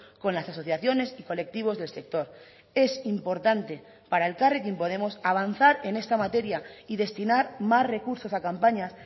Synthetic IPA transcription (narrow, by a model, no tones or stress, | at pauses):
ko̞nlasaso̞θjaθjo̞ne̞siko̞le̞k̚t̪iβ̞o̞zðe̞lse̞k̚t̪o̞ɾ | e̞simpo̞ɾt̪ant̪e̞ | paɾae̞lkarek̬jimpo̞ð̞e̞mo̞saβ̞an̟θaɾe̞ne̞st̪amat̪e̞ɾjaiðe̞st̪inaɾmasre̞kuɾso̞sakampaɲas